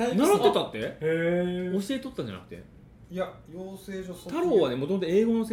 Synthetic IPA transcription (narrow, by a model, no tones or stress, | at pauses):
naɾat̪ːet̪at̪ːe̞ | o̞ɕiet̪o̞t̪ːaɲd͡ʑa̰na̰kɯ̟̥t̪e̞̰ | jajoːseːot̪aɾo̞ːβanemot̪o̞mot̪oe̞ːɡo̞no̞se